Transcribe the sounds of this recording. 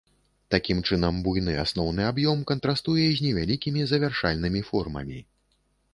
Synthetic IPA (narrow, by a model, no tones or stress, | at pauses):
t̪akʲimt͡ʂɨnɐmbujnɨa̰snɔwnɨabjɔmkɐnt̪ɾast̪ujɛzʲnʲɛvʲalʲikʲimʲizɐvʲarʂalʲnɨmʲifɔrmɐ̰mʲi